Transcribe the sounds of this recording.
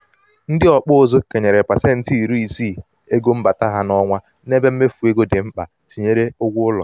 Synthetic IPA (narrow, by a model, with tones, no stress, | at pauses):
n̩˦dɪ˦ɔ˨k͡pʊ˦o˨zo˦ke˨ɲe˨ɾe˨pa˨se˦n̩˦ti˦i˨ɾu˦i˨siː˦˨ | e˦ɡo˦m̩˦ba˨ta˦ɦa˦nɔ˦ŋʷa˦ | ne˦be˦m̩˦me˦fu˨e˦ɡo˦dɪ˨m̩˦k͡pa̰˨ | ti˨ɲe˦ɾe˦ʊ˦ɡʷʊ˦ʊ˦lɔ̰˨